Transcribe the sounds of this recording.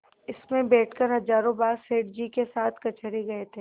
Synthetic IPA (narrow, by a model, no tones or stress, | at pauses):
ɪsmẽbɛːʈʰkɐɾɦɐzaːɾõbaːɾseːʈ̚d͡ʒikesaːt̪ʰkɐt͡ʃəɾeɡɐet̪ʰeː